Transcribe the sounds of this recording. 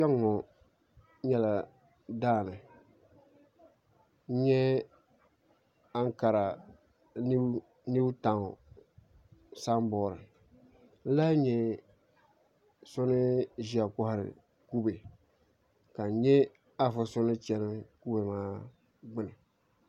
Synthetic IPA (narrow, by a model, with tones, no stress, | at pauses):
t͡ʃɛ˦ŋɔ˨ | ɲɛ˨la˨ | daː˦˨nɨ˨ | ɲ̩˦ɲɛ˦ | a˦ŋ˦ka˨ɾa˨ | n˦ | ni˦bta˨ŋ˨ | sa˦m˦bɔː˦˨ɾɨ˨ | n̩˦la˦ɲɛ˨ | sʊ˦nɪ˦ʒi˨a˨kʊ˦hɾɪ̰˨ | ku˦be˨ | ka˨ɲɛ˦ | a˦fɨ˦sʊ˦nɨ˦t͡ʃɛ˦nɨ˦ku˦be˨maː˦ | ɡ͡bɪ˦nɨ˨